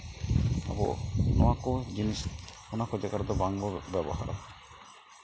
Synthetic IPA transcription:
a̰bṵnɔwakɔd͡ʒinis | unakɔd͡ʒakaɾd̪ɔbaŋɡɔbɛbɔɦa̰ɾɔ̰

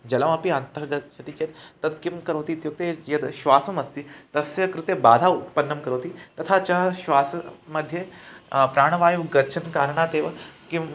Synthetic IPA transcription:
d͡ʒɐlɐmɐpiɐnt̪ɐɡɐt͡ʃʰɐt̪ikɐt̪t̪ɐt̪kimkɐɾɐːt̪it̪juk̚t̪ejɐd̪ʃʋaːsɐmɐst̪it̪ɐsjɐkɾut̪jɐbaːd̪ʱaut̪pɐnːɐmkɐɾɐːt̪it̪ɐt̪ʰat͡ʃɐɦɐʃʋaːsɐmɐd̪ʱːjepɾaːɽ̃ɐʋaːjuɡɐɾt͡ʃʰɐnkaːɾɳaːt̪eːʋɐkim

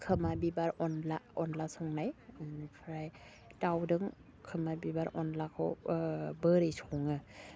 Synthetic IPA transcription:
kʰɯmabibaɾɔnlaɔnlasɔŋnajpʰɾaj | tawdɯŋ | kʰɯmabibaɾɔnlakʰɯwbɯɾejsʰɔŋɯ

